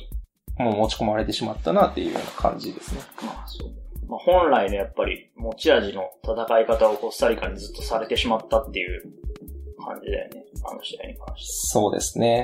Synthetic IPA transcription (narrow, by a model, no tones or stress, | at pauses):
moːmo̞t͡ɕi̥ko̞maɾe̞t̪e̞ɕimat̪ːanat̪ːe̞jɯ̟̰jo̞̰ːnakʰã̰ɲ̟d͡ʑid̪e̞sɨne̞maːsoːd̪maːhõ̞nɾaino̞japːaɾʲḭmo̞t͡ɕiaʑino̞t̪ʰat̪akaikat̪ao̞kosaɾʲikaɲ̟izɨt̪ːo̞saɾe̞t̪e̞ɕimat̪ːat̪ːe̞jɯ̟ | kʰã̰ɲ̟d͡ʑid̪a̰jo̰ne̞a̰no̰ɕid̪aḭɲ̟ikã̰ɰ̃ɕi̥so̞ːd̪ḛsɨne̞